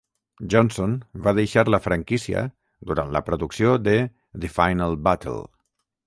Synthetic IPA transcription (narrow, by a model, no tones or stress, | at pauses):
ʒɔnsonbaðejʃaɾləfɾəŋkisiə̰ | d̪uɾant̪ləpɾuðuksiod̪ə | ðifajnəlˠbat̪ʰə̰lˠ